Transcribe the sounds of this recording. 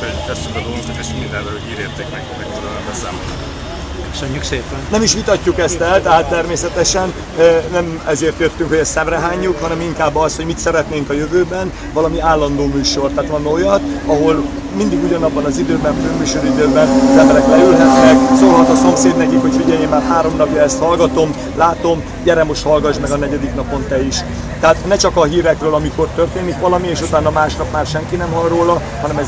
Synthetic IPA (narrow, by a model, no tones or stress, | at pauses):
oɛst̪yŋkɒd̪oozukeʃmind̪ɛnvɛoiːɾeːrt̪ɛkmɛkmɛkfyɾalɛmbɛsa̰ːmolo̰k | ʃøɲykʃeːpɛnnɛmiʃʋit̪ɒcːukɛst̪ɛlt̪ɛɦaːt̪ːɛrmeːsɛt̪ɛʃɛn | nɛmɛzeːrt̪jøt̪ːyŋkho̞ɟɛst̪sɛmrɛɦaːɲːukhɒnɛmiŋkaːbːɒst̪ho̞ɟmit̪sɛɾɛt̪neːŋkɒjøvøːbɛn | vɒlɒmiaːlːɒnd̪oːmyːʃo̞rt̪aːt̪lɒnːojɒt̪ɒɦo̞l | mind̪iɡuɟɒnɒbːɒnɒzid̪øːbɛnømyːʃo̞ɾid̪øːbɛnzɛmbɛɾɛklɛylɦ̪ɛt̪nɛksoːɦɒt̪ɒso̞mseːd̪nɛkikho̞cfiɟɛjemːaːrhaːɾo̞mnɒpjɒɛst̪hɒlɡɒt̪o̞m | laːt̪o̞m | ɟɛɾɛmːo̞ʃt̪hɒlɡɒʒmɛɡɒnɛɟɛd̪iknɒpo̞nt̪ɛiʃ | t̪ɛaːt̪nɛt͡ʃɒkɒɦiːɾɛkrøːlɒmiko̞rt̪ørt̪eːnikʋɒlɒmieːʃut̪aːnːɒmaːʃnɒpmaːrʃɛŋkinɛmɦɒlroːlɒ | hɒnɛmɛ